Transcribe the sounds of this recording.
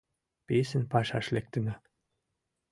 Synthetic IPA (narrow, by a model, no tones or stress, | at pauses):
pesɘ̆npɑʃɑʃlek̚t̪ɘ̆nɘ̆